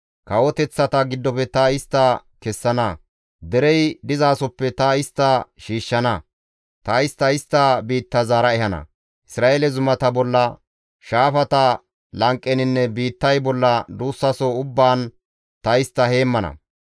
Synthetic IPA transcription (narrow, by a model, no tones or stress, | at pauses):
kɐwɔt̪ɛt͡sːɐt̪ɐɡɪd̪ːɔpɛt̪ɐɪst̪ːɐ | kɛsːɐnɐ | d̪ɛɾɛjd̪ɪzaːsɔpːɛt̪ɐɪst̪ːɐʃiːʃːɐnɐ | t̪ɐɪst̪ːɐɪst̪ːɐbiːt̪ːɐzaːɾɐɛhɐnɐ̰ | ʔɪsɾaːʔeːlɛzʊmɐt̪ɐbɔlːɐ | ʃaːfɐt̪ɐ | lɐŋkʼːɛnɪnːɛbiːt̪ːɐjbɔlːɐd̪uːsːɐsɔʊbːaːn | t̪ɐɪst̪ːɐhe̞ːmːɐnɐ̰